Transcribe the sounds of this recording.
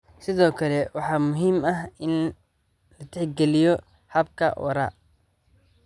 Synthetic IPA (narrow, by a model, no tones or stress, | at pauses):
sɪðɔːkʰɐlɛwɑħɑːmʊɦiːmɐɦɪn | lɐt̪ʰɛħɡɛlɪjɔ | hɐbkʰɐ̰ʔɔ̰ɾa̰ː